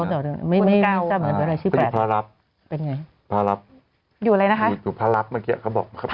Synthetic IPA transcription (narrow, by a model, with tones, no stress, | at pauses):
tɔː˨˩ɾɯ˧˩˧n˨ma˥˩jma˥˩ja˧˥˧aː˧˩mɯ˨˦nmː˧˦˥ɾa˧jt̪ʰi˥˧˦pːʰɾa˦˧ɾa˦˥p̚ | pe˧nŋa˧j | pʰaː˦˧˥ɾa˦˥p̚ | juː˨˩la˧jna˦˥kʰa˦˨˩juː˨˩pʰɾa˦˧˥ɾa˦˥p̚maː˧˥kiː˦˥a̰˨˩kʰa˥˩wbɔ̰ː˨˩k̚ma˦˥kʰa˦˥